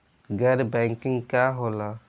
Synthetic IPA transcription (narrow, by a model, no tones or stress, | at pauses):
ɡadbaŋkiŋkaɦola